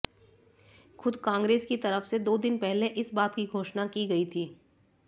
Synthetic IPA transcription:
xʊd̪kãːŋɡɾeːskit̪ɐɾəfsed̪oːd̪ɪnpɛɦleʔɪsbaːt̪kiɡʱoːʃnakiɡɐit̪ʰiː

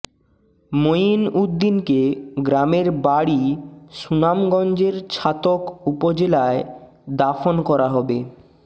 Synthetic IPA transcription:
mojinud̪ːinkeɡɾameɾbaɽiʃunamɡɔnd͡ʑeɾt͡ɕʰat̪okupod͡ʑelae | d̪afonkɔɾaɦɔbe

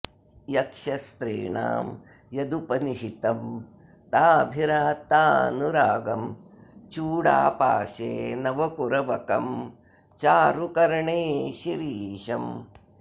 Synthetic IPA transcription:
jɐkʂɐst̪ɾḭːɳa̰ːm | jɐd̪upɐniɦit̪ɐm | t̪aːbʱiɾaːt̪aːnuɾaːɡɐm | t͡ʃuːɽa̰ːpa̰ːʃḛːnɐʋɐkuɾɐʋɐkɐm | t͡ʃaːɾukɐɾɐɳeːʃiɾiːʃɐm

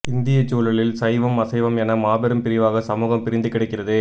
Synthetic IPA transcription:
ɪnd̪ɪjɐt͡ʃːuːlɐlɪlsɐjʋɐmɐsɐɪʋɐmɛnɐmaːbɐɾɯmpɪɾɪʋaːɣɐsɐmuːɣɐmpɪɾɪnd̪ɯkɪɽɐɪkːɪrɐðɯ

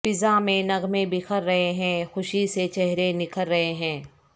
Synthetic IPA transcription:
pɪzamẽnɐɡmẽbɪxʰəɾːɐɦeɦɛ̃ːxʊʃiset͡ʃɛɦɾenɪkəlɾɐɦeɦɛ̃ː

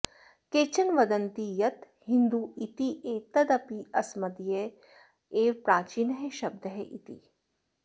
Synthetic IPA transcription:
keːt͡ʃɐnʋɐd̪ɐnt̪ijɐt̪ | hɪ̃nd̪uːit̪iʔeːt̪ɐd̪ɐpiɐsmɐd̪ije | eːpɾaːt͡ʃiːnɦeʃɐb̚d̪əɦeʔit̪ḭ

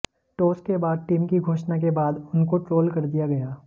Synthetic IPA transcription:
ʈoːskebaːd̪̚ʈiːmkiɡʱoːʃnakebaːd̪ʊnkoʈɾoːlkɐɾd̪ijaɡɐjaː

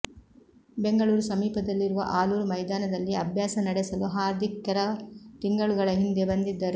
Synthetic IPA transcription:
beŋɡɐɭuːɾusɐmiːpɐd̪ɐlːiɾuʋɐ̰ʔaːluːɾumɐjd̪aːnɐd̪ɐlːiɐbʱjaːsɐnɐɽesɐluɦaːɾd̪ʱikːɐɾɐt̪iŋɡɐɭuɡɐɭɐɦind̪e̞bɐnd̪id̪ːɐɾu

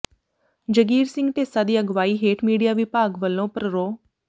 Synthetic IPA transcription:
d͡ʒəɡiːɾsɪ̃ŋɡt̪eːsaːd̪iːəɡʋaːiːɦeːʈmiːɖijaːʋɪpaːɡʋəlːõːpɾəɾoː

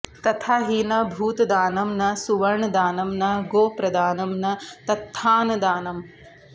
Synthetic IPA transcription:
t̪ɐt̪ʰaːɦinɐbʱuːt̪d̪aːnɐmnɐsuʋɐɾɳɐd̪aːnɐmnɐɡoːpɾɐd̪aːnɐmnɐt̪ɐt̪ʰːaːnɐd̪aːnɐm

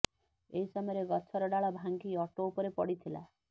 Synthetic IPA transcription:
eɦisɔmɔjɔɾeɡɔt͡ʃʰɔɾɔɖaɭɔbʱaŋɡiɔʈoupɔɾepɔ̰ɽit̪ʰila̰

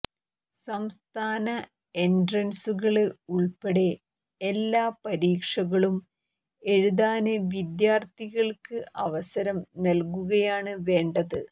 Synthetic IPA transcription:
sɐmst̪ʰaːnɐ | endrɐnsuɣɐɭɨuɭpeɽe̞ | elːaːpɐɾiːkʂɐɣɐɭum | e̞ɻuðaːnɨʋid̪jaːrt̪ʰiɣɐɭkɨʔɐʋɐsɐɾɐmnɐlkuɣɐjaːɳɨʋe̞ːɳɖɐðɨ

